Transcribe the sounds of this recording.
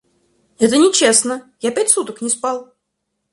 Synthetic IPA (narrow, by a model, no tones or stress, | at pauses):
ɛt̪ənʲɪt͡ɕesnəjapʲætʲsut̪əknʲɪspalˠ